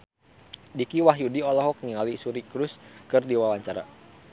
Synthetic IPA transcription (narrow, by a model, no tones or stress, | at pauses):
dikiwaɦjudiɔlɔɦɔk̚niŋalisuɾikɾuskɨrdiwawaɲt͡ʃaɾa̰